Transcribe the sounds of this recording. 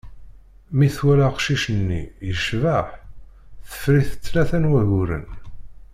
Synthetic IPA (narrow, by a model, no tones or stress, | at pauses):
miθwælaqʃiʃənːḭjəʃvaħθə̥fɾiθə̥t͡sːlæθænwæʝuɾə̰n